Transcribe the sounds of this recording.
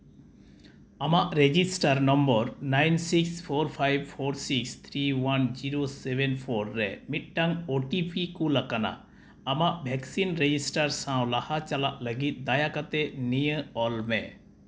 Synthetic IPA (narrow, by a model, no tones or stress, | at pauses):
amaʔɾed͡ʒisʈaɾnɔmbɔɾnajnsikspʰoɾpʰajbpʰoɾsikst̪ʰɾiwand͡ʒiɾosebenpʰoɾːɛmiʈ̪̚ʈaŋoʈipʰikulakana̰ | amaʔbʱɛksinɾed͡ʑisʈaɾsãw̃lahat͡ʃalaʔləɡit̪̚d̪ajakat̪enijə̃ɔlmɛ̰̃